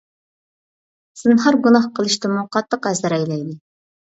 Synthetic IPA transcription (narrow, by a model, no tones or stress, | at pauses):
sɨnɦɑɾɡunɑhqʰəlˠɨʃt̪ɨmuqʰɑt̪ːəqæzɨɾɛjlɛjd̪ɪ